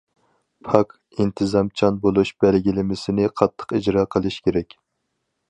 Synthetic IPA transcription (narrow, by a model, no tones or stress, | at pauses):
pʰɑk | int̪ʰɨzɑmt͡ʃʰɑnbolˠuʃb̥ælɡʲilɪmɪsɪnɪqʰɑt̪ʰːə̥qid͡ʒɾɑːqʰəlˠɨʃkʲʰeɾɛkʲ